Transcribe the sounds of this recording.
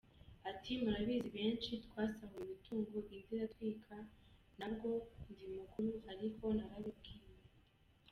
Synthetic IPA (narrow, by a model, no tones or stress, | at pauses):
atʰimuɾaβiziβe̞ːnʃitkwaːsameiβitʰuːŋɡoʔindiɾatwiːkʰa | nab̚ɡo̞ndimukuɾuaɾikʰo̞naɾaβikiːme